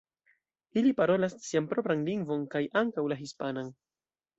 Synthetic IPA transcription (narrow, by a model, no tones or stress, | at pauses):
ilipaɾo̞lassiampɾo̞pɾanliŋɡvo̞nkajʔaŋkawlaɦispanan